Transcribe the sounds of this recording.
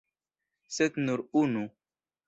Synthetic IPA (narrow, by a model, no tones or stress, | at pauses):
set̪nuɾunu